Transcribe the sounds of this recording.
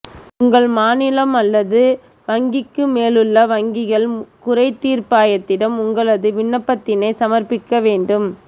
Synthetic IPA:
ʊŋɡɐɭmaːnɪlɐmɐlːɐðɯ | ʋɐŋɡɪkːɯmeːlɯɭːɐʋɐŋɡɪɣɐɭkʊrɐɪt̪ːiːrpaːjɐt̪ːɪɽɐmʊŋɡɐɭɐðɯʋɪɳːɐpːɐt̪ːɪnɐɪsɐmɐrpɪkːɐʋeːɳɖɯm

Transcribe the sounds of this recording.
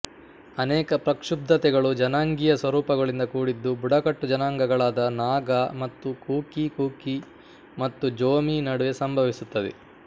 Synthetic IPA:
ɐnɛːkɐpɾɐkʂub̚d̪ʱɐt̪ɛɡɐɭud͡ʒɐnaːŋɡijɐsʋɐɾuːpɐɡɐɭind̪ɐkuːɽid̪ːubuɽɐkɐʈːud͡ʒɐnaːŋɡɐɡɐɭaːd̪ɐnaːɡɐmɐt̪ːukuːkikuːki | mɐt̪ːud͡ʒoːminɐɽuʋe̞sɐmbʱɐʋisut̪ːɐd̪ḛ

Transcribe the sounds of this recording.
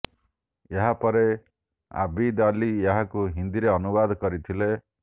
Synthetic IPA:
eɦapɔɾe | a̰bid̪alieɦakuɦind̪iɾeɔnubad̪ʱkɔɾit̪ʰile

